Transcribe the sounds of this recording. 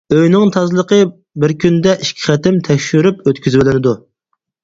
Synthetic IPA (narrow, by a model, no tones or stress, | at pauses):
øjnɪŋt̪ʰɑzlˠəqə | bɪɾkʲynd̪ɛʔiʃkʲʰi̥χæt̪ɪmt̪ʰɛkʲʃyɾypøt̪kʲʰyzbɪlɪnɪd̪u